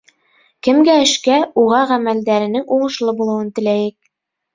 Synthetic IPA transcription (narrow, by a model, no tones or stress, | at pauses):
kɘ̆mɡæɘ̆ʃkæuʁɑʁæmæld̪æɾɘ̆nɘŋuʁɤ̆ʃlˠɤbulˠɤ̆wɤnt̪ɘ̆læjɘk̚